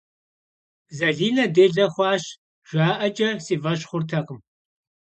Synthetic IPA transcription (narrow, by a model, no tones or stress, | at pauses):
zɐɮiːnɐdeːɮɐχʷɑːɕ | ʒʷaːʔɐt͡ʃʼɐsiːvɐɕχʷʊrtʰɐqəm